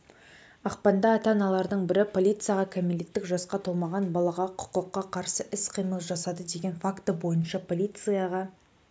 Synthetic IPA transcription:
ɑqpɑnd̪ɑːt̪ɑnɑlˠɑɾd̪əɴbɪɾɪpʰo̞lʲijt̪sɨjaʁɑkʲʰamelet̪ːɪkʒɑsqɑt̪ʰolˠmɑʁɑnbɑlˠɑʁɑqʰʊ̥qəqːɑqʰɑɾsəʔɪsqʰijməlˠʒɑsɑd̪əd̪e̞ɡʲe̞nfakt̪əbo̞jənʃɑpʰo̞lʲijt̪sɨjaʁɑ

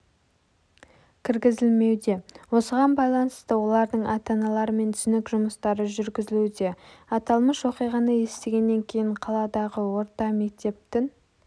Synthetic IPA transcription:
kʲʰɪɾɡʲɪzɪlme̞wd̪e̞wo̞səʁɑnbɑjlˠɑnəst̪əwo̞lˠɑɾd̪əɴɑt̪ɑnɑlˠɑɾəme̞nt̪ʰʏsɪnekʒʊməst̪ɑɾəʒʏɾɡʲɪzɪlud̪e̞ɑt̪ɑlˠməʃwo̞qijʁɑnəje̞st̪e̞ɡʲe̞nːe̞ŋkʲʰe̞jɪɴqʰɑlˠɑd̪ɑʁəwo̞ɾt̪ɑme̞k̚t̪e̞p̚t̪ɪŋ

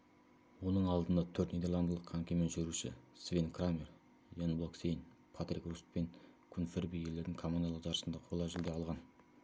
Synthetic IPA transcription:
wo̞nəɴɑlˠd̪ənd̪ɑt̪ʰɵɾt̪njed̪elˠand̪əlˠəqʰaŋkʲemenʒʏɾuʃɪ̰svenkʰramʲer | janblˠoksejn | pʰat̪ɾikrust̪̚peŋkʲʰʊnfeɾbijeld̪e̞ɾd̪ɪŋkʰomonalˠəqʒɑɾəsənd̪ɑqʰo̞lˠɑʒɪld̪e̞ɑlˠʁɑn

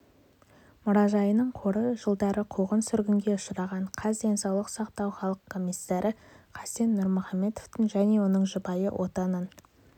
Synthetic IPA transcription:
mʊɾɑʒɑjənəɴqʰo̞ɾəʒəlˠd̪ɑɾəqʰoʁənsʏɾɡʲɪŋɡʲe̞ʊʃəɾɑʁɑɴqʰɑzd̪e̞nsɑwlˠəqsɑq̚t̪ɑwχɑlˠəqkʰːo̞mʲijsːɑɾʔəqʰɑsenːʊɾmʊχɑmːe̞t̪oft̪ɪŋʒæne̞wo̞nəɴʒəbɑjə̰wʔo̞t̪ɑnən

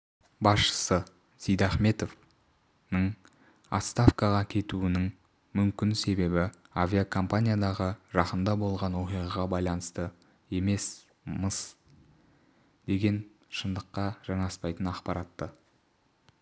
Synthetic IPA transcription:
bɑsʃə̥sə | sijd̪aχme̞t̪o̞v | nəɴ | ɑ̰t̪st̪afkɑʁɑkʲʰe̞t̪uɪnɪŋ | mʏmkʲɪnse̞be̞bɪ | avʲiakʰo̞mpanʲijad̪ɑʁəʒɑqəmd̪ɑbo̞lˠʁɑnwo̞qijʁɑʁɑbɑjlˠɑnəst̪ə | e̞me̞s | məs | d̪̥e̞ɡʲe̞n | ʃənd̪əqːɑʒ̥ɑɴɑspɑjt̪ənɑqpɑɾɑt̪ːə

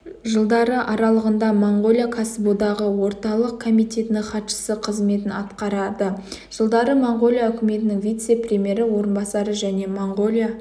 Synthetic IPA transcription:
ʒəlˠd̪ɑɾəʔɑɾɑlˠəʁənd̪ɑmoɴʁo̞lʲˠijakʰasəbod̪ɑʁəwo̞ɾt̪ɑlˠəq̚kʰomijt̪e̞t̪ɪnɪŋχɑt̪ʃə̥səqʰəzme̞t̪ɪnɑt̪qɑɾɑd̪əʒ̥əlˠd̪ɑɾəmoɴʁo̞lʲˠijaɵkʲɪme̞t̪ɪnɪŋvijt̪se̞prʲemʲje̞ɾɪwo̞ɾənbɑsɑɾəʒæne̞moɴʁo̞lʲˠja

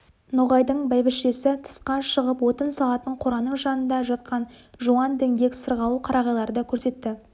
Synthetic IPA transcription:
noʁɑjd̪əɴbælbɪsʃe̞sɪt̪ʰə̥sqɑʃəʁəpwo̞t̪ənsɑlˠɑt̪əɴqʰoɾɑnəɴʒɑnənd̪ɑʒɑt̪̚qɑnʒuɑnd̪eŋɡʲe̞kʲsəɾʁɑlˠuqʰɑɾʔɑʁɑjlˠɑɾəd̪ɑkʲʰɵɾse̞t̪ːɪ

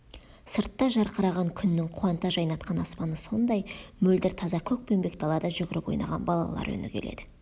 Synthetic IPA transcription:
səɾt̪ːɑʒɑɾqʰəɾɑʁɑŋkʲʰʏnːɪŋqʰuɑnt̪ɑʒɑjnɑt̪qʰɑnɑspɑnəso̞nd̪ɑjmɵld̪ɪɾt̪ʰɑzɑkʲʰɵk̚pe̞mbe̞k̚d̪ɑlˠɑd̪ɑʒʏɡʲɪɾɪpo̞jnɑ̰ʁɑ̰nbɑlˠɑ̰lˠɑ̰ɾɵ̰nɪ̰kʲʰe̞̰le̞̰d̪ɪ

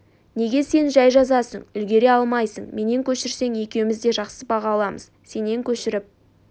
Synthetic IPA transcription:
ne̞ɡʲe̞se̞nʒæjʒɑzɑsəɴʏlɡʲe̞ɾe̞ɑlˠmɑjsəɴme̞ne̞ŋkʲʰɵʃɪɾse̞ŋe̞kʲe̞wɪmɪzd̪e̞ʒɑqsəbɑʁɑːlˠɑməz̥ | se̞ne̞ŋkʲʰɵʃɪɾɪp̚

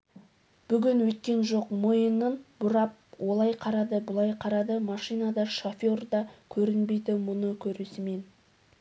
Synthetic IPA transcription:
b̥ʏɡʲɪnwɵjt̪̚kʲe̞nʒo̞qmojənənbʊɾɑp̚wʔo̞lˠɑjqʰɑɾɑd̪əbʊlˠɑjqʰɑɾɑd̪əmɑʃijnɑd̪ɑʃofʲio̞rd̪ɑkʲʰɵɾɪnbe̞jd̪ɪmʊnəkʲʰɵɾesɪme̞n

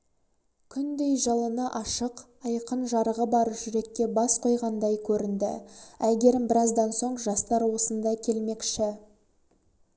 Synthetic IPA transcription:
kʲʰʏnd̪e̞jʒɑlˠənɑʔɑʃəq | ɑjqənʒɑɾəʁəbɑɾʒʏɾe̞kʲːe̞bɑsqʰo̞jʁɑnd̪ɑjkʲʰɵɾɪnd̪ɪ̰æɡʲe̞ɾɪmbɪɾɑzd̪ɑnso̞ɴʒɑst̪ɑɾwo̞sənd̪ɑjkʲʰe̞lme̞kʃɪ

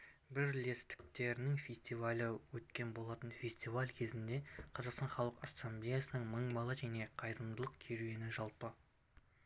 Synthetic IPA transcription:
bɪɾle̞st̪ɪ̥k̚t̪e̞ɾɪnɪŋfʲesʲt̪ijvalʲɪwɵt̪kʲe̞nbo̞lˠɑt̪ənfʲe̞sʲt̪ivalʲkʲʰe̞zɪnd̪e̞qʰɑzɑqst̪ɑnχɑlˠəqɑsamblʲejasənəɴməɴbɑlˠɑʒæne̞qʰɑjɾəmd̪əlˠəqkʲʰeɾujenɪʒɑlˠpə

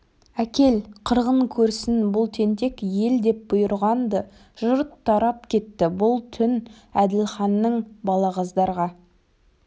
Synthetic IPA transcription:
ækʲe̞lqʰəɾʁəɴkʲʰɵɾsɪnbʊlˠt̪ʰe̞nt̪e̞kje̞ld̪e̞p̚bʊjəɾʁɑnd̪ə | ʒʊɾt̪ʰːɑɾɑp̚kʲʰe̞t̪ːɪbʊlˠt̪ʰʏn | æd̪ɪlχɑnːəɴbɑlˠɑʁɑzd̪ɑɾʁɑ

